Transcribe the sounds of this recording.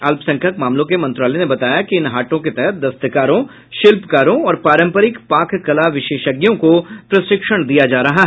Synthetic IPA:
ɐlpsɐ̃ŋkʰəkmaːmlõkemɐ̃nt̪ɾaːlenebɐt̪aːjakiɪnɦaːʈõket̪ɛɦɛt̪̚d̪ɐst̪əkaːɾõ | ʃɪlpkaːɾõɔːɾpaːɾə̃mpəɾɪkpaːkʰːɐlaʋɪʃeːʃəɡjõkopɾɐsɪkʃəɽ̃d̪ijad͡ʒaːɾɐɦaɦ

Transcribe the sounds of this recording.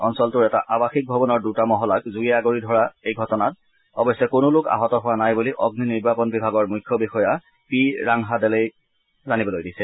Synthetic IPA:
ɔnsɔltʊɹɛta̰ʔabaxik̚bʱɔbɔnɔɹdutamɔɦɔlakzuɛaɡoɹidʱɔɹaejɡʱɔtɔnat̚ | ɔbɔjsɛkʊnʊlʊka̰ɦɔtɔɦʊwanajbuliʔɔɡniniɹbapɔnbibʱaɡɔɹmujkʰːɔbixɔja | piɹaŋɦadɛlej | zanibɔlojdisɛ

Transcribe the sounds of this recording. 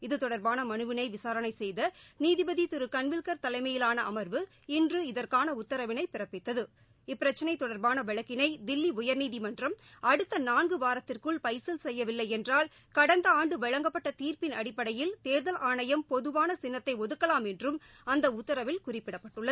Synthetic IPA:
ɪðɯt̪ɔɽɐɾbaːnɐmɐnɯʋɪnɐɪʋɪsaːɾɐnɐɪsɛjðɐniːðɪbɐðit̪ɪɾɯkɐnʋɪɭkɐɾt̪ɐlɐɪmɐjɪlaːnɐʔɐmɐɾʋɯ | ɪndrɯɪðɐrkaːnɐʊt̪ːɐɾɐʋɪnɐɪpɪrɐpːɪt̪ːɐðɯ | ɪpːɪɾɐt͡ʃːɐnɐɪt̪ːɔɽɐɾbaːnɐʋɛɻɐkːɪnɐɪd̪ɪlːiʊjɐɾniːðɪmɐndrɐmɐɽɯt̪ːɐnaːnɡɯʋaːɾɐt̪ːɪrkɯɭpɐɪsɪlsɛjːɐʋɪlːɐɪɛndraːl | kɐɽɐnd̪ɐaːɳɖɯʋɛɻɐŋɡɐpːɐʈːɐt̪iːrpɪnɐɽɪpːɐɽɐjɪlt̪eːɾðɐlʔaːɳɐjɐmpɔðɯʋaːnɐsɪnːɐt̪ːɐɪɔðɯkːɐlaːmɛndrɯm | ɐnd̪ɐʊt̪ːɐɾɐʋɪlkʊrɪpːɪɽɐpːɐʈːɯɭːɐðɯ

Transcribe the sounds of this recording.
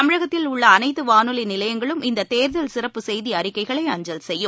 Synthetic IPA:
ɐmɪɻɐɣɐt̪ːɪlʊɭːɐːnɐɪt̪ːɯʋaːnɯlinɪlɐjɐŋɡɐɭɯmɪnd̪ɐt̪eːɾðɐlsɪrɐpːɯsɛjðiɐrɪkːɐɪɣɐɭɐɪɐɲd͡ʒɐlsɛjːɯ

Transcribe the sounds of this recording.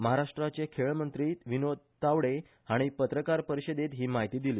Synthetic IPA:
məɦaɾaʂʈɾat͡ɕekʰeɭmənt̪ɾiːt̪ʋinod̪̚ʱt̪aʋɽe | haɽ̃ipət̪ɾəkaɾpəɾiɕəd̪et̪ɦiːmaɦit̪iːd̪iliː

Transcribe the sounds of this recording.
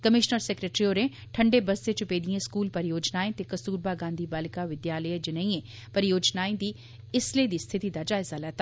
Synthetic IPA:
kəmɪʃnəɾsekɾeːʈɾioːɾẽ | ʈʰə̃ɳɖebɐst̪et͡ʃʊpeːd̪iẽɪskuːlpɐɾjoːd͡ʒnaːẽt̪ekɐsuːɾbaːɡãːnd̪ʱiːbaːlɪkaʋɪd̪jaːləjed͡ʒenɐĩẽː | pɐɾɪjoːd͡ʒnaːẽd̪iː | ɪsleːd̪iːst̪ʰɪt̪id̪ad͡ʒaːɪzalɛːt̪a

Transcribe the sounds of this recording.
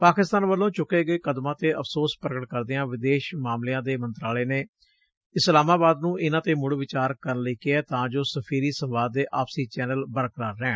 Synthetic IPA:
paːkɪst̪aːnʋəlːõːt͡ʃʊkːeːɡəeːkəd̪mãːt̪eːʔəpʰsoːspɾəkəʈ̚kəɾd̪eːãːʋɪd̪eːʃmaːmleːãːd̪eːmənt̪ɾaːleːneː | ɪslaːmaːbaːd̪nũːʔɪnãːt̪eːmʊɽʋɪt͡ʃaːɾkəɾnləiːkɪɛːt̪ãːd͡ʒoːsəpʰiːɾiːsə̃mʋaːd̪eːʔaːpsiːt͡ʃɛːnəlbəɾkɾaːɾːɛ̃ː

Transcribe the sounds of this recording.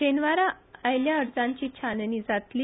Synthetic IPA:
enʋaɾaajljaəɾt͡sãɲt͡ɕiːt͡ɕʰanniːd͡zat̪li

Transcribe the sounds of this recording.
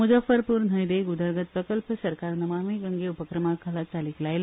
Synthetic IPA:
mud͡zəfəɾpuːɾn̤əjd̪eɡud̪əɾɡət̪̚pɾəkəlpəsəɾkaɾnəmamiɡəŋɡeupəkɾəmakʰəlat͡saliklajl

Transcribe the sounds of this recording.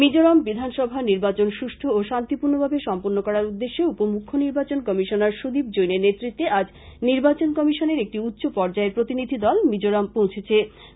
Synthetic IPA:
mid͡ʑoɾambid̪ʱanʃɔbʱaniɾbat͡ɕonʃuʃʈʰooʃant̪ipuɾnobʱabeʃɔmpoɾnokɔɾaɾud̪ːeʃːeupomukʰːoniɾbat͡ɕonkɔmiʃonaɾʃud̪ib̚d͡ʑojneɾnet̪ːɾit̪ːeʔad͡ʑ | niɾbat͡ɕonkɔmiʃoneɾek̚ʈiutːɕopɔɾd͡ʑaeɾpɾot̪inid̪ʱid̪ɔlmid͡ʑoɾampõw̃t͡ɕʰet͡ɕʰe

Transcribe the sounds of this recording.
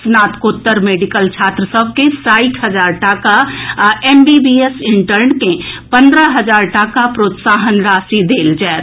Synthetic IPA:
snaːt̪kot̪ːəɾmeːɖikəlt͡ʃʰaːt̪ɾəsəb̚ʱkẽsaːɪʈʰɦəd͡ʒaːɾʈaːkaeːmbibiesɪɳʈəɾnkẽpə̃nd̪ɾəɦəd͡ʒaːɾʈaːkapɾoːt̪saːɦənɾaːsid̪eːld͡ʒaːt̪

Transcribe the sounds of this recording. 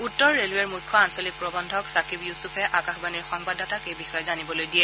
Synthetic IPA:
utːɔɹːelwɛɹmujkʰːɔansɔlik̚pɹɔbɔndʱɔksakipjusupʰɛʔakaxbaniɹxɔŋpadatakejbixɔjɔzanibɔlojdijɛ

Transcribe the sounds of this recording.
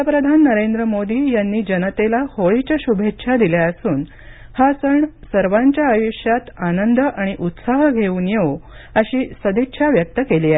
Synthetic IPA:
apɾəd̪ʱanːəɾend̪ɾəmod̪iːjanːiːd͡ʑənət̪elahoɭit͡ɕaɕubʱetːɕʰad̪iljaəsuːn | hasəɳsəɾʋãɲt͡ɕjaːjuɕjat̪anənd̪əʔaɽ̃iʔut̪saɦəɡʱeuːnjeʋoəɕiːsəd̪itːɕʰaʋjək̚t̪əkeliːaɦe

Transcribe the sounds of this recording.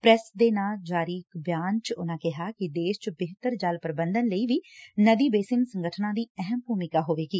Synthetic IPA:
pɾɛsd̪eːnaːld͡ʒaːɾiːkbjaːnt͡ʃʊnãːkɪɦaːkɪd̪eːʃt͡ʃbɪɦt̪əɾd͡ʒalpəɾəbənd̪ənləiːʋiːnəd̪iːbeːsɪŋɡsəŋɡəʈʰnãːd̪iːɛɦəmbʱuːmɪkaːɦoːʋeːɡiː

